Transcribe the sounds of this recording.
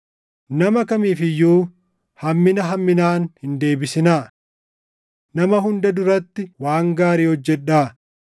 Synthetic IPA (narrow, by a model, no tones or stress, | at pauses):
nɐmɐkɐmiːfɪjːuː | hɐmːɪnɐɦɐmːɪnaːnhɪnd̪e̞ːbɪsɪnaː | nɐmɐɦʊnd̪ɐd̪ʊɾɐt̪ːɪwaːŋɡaːɾiːhɔd͡ʒːɛᶑːaː